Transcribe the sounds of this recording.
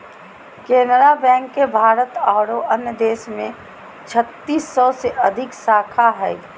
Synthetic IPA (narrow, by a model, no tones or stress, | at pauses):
keːnɾabɛ̃ːŋkːebʱaːɾət̪aːɾoʔənjəd̪eːsmẽ | t͡ʃʰət̪ːiːsːɔseʔɐd̪ʱɪksaːkʰaɦɛː